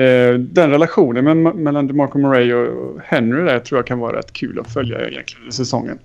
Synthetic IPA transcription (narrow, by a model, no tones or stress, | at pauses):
d̪ɛnɾɛlaɧuːnənmɛnmɛlːand̪mɑɾkʊmʊɾɛjɔhɛnɾɪd̪æɾjt̪ʰɾuːɾjakʰanvɑːɾa̰ɾɛ̰t̪ːkʰʉːlɔ̰fœlja̰jɛ̰nt̪lɪɡənnd̪æʂsɛsɔ̰ŋːə̰n